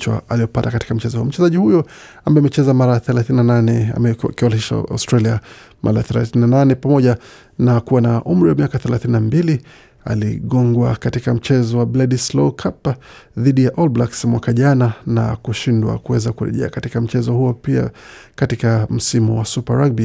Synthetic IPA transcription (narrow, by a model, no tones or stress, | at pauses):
t͡ʃa̰aliɔpatakati̥kam̩t͡ʃɛzɔhuɔm̩t͡ʃɛzaʄihujɔ | ambajamɛt͡ʃɛzamaɾaθɛlaθininananɛa̰mɛkiɔliʃa̰a̰stɾalia | mʔa̰ɾaθɛla̰θininananɛpamɔʄa | nakuwanaʔum̩ɾiwamiakaθɛlaθininambili | a̰lḭɠɔŋɡwakatikam̩t͡ʃɛzɔwablɛdislɔkʰap | ðiɗijaʔɔlblaksmwakaʄanana̰kuʃindwa̰kuwɛzakuɾɛ̰ʄɛ̰a̰katikam̩t͡ʃɛzɔhuɔpia̰ | katikam̩simuwasupaɾaɡ̚bi